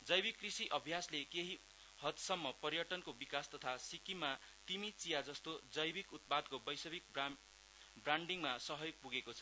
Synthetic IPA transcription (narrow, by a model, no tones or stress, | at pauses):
d͡zʌjbikːrisiʔʌbʱjaslekeɦi | hʌt̪sʌmːʌpʌɾjʌʈʌnkobikast̪ʌt̪ʰasikima | t̪imit͡sijad͡zʌst̪od͡zʌjbikut̪̚pad̪̚kobʌjsʌbik̚ | braɳɖiŋmasʌɦʌjok̚puɡekot͡sʰʌ̥